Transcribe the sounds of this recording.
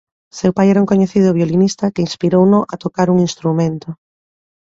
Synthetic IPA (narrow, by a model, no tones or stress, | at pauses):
sewpajɛɾauŋkoɲeθið̞ʊβjolinist̪ɐkeinspiɾownʊʔɐt̪okaɾuŋinst̪ɾumẽnt̪ʊ